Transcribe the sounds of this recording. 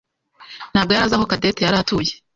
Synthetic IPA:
n̥aːb̚ɡoaɾazakokadetejaɾatuje

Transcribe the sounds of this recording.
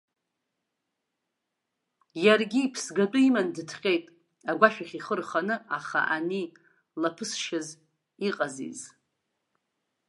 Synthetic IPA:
jarɡʲiːpʰsɡadʼʊimandɨtʰχʲʼe̞jtʼ | aɡʷaʃᶣaχʲiχərχanɨaχa̰ʔani | lapʰɨsʃaz | iqʼazḭz

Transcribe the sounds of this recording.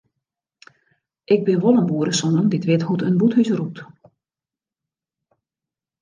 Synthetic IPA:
ʔɪɡ̚bɪnʋolˠənbuːəɾəsɔnənditʋɪthutənbuthysrup̚t

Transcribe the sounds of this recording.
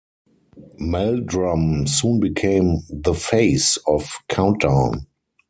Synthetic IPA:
mɛldɹãmsũːnbikʰẽɪ̃mðəfeɪsɔfkʰãʊ̃ntãʊ̃n

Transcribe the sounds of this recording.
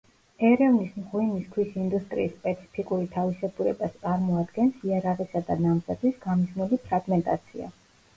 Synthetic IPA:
ɛɾɛvnismʁwiniskʰwisind̪ust̪ʼɾiːsːpʼɛt̪sʰi̥pʰikʼuɾit̪ʰavisɛbuɾɛbast̪sʼaɾmɔad̪ɡɛnsiaɾaʁɛsad̪anamzad̪ʰwisɡ̥amiznulipʰɾaɡmɛnt̪ʼa̰t̪sʰia̰

